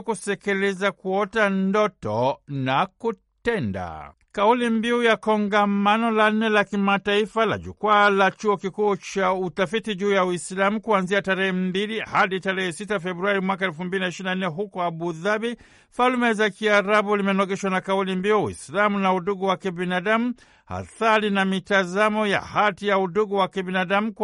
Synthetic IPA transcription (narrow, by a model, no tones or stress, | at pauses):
kusɛkilizakuɔtandɔtɔ̰naku | tɛnda̰ | kaulimbiujakɔŋɡamanɔlan̩nːɛlakimataifala̰ʄṵkwalat͡ʃuɔkikuːt͡ʃautafitiʄuːjawislamukuanziataɾɛhɛm̩bilihaɗitaɾɛhɛsitafɛbɾuaɾimwakaɛlfumbilinaiʃiɾinannɛɦukɔaɓuðabi | falmɛzakiaɾaɓulimɛnɔɡɛʃwanakaulimbiuwḭslamunauɗuɡuwakibinaɗamu | ha̰θaɾinamitazamɔja̰hatijauɗuɡuwakibinaɗamuk